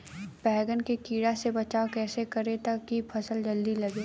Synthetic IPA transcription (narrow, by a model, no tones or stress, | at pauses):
pɛːɡənkekiːɽasebɐt͡ʃaːokɛːsekɐɾet̪ɐkːipʰɐsəld͡ʒɐld̪ilɐɡeː